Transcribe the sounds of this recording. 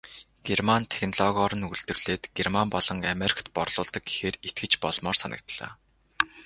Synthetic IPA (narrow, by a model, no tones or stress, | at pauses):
ɡ̥ermant̪ʰe̥xnɔɮɔɣɔɾə̆nuɮt̪ɵ̆rɮeːt̪ɡ̥ermampɔɮɞ̆ŋameɾʲi̥kʰt̪̚pɔrɮ̥ʊːɮt̪ɞ̆k̚ɡixeːret̪̚ɡɘ̆t͡ɕpɔɮmɔːrsanə̰̆k̚t̪ɮ̥œ̰ː